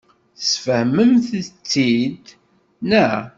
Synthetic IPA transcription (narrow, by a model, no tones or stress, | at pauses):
θsfəhməmθt͡sːid̪ | næ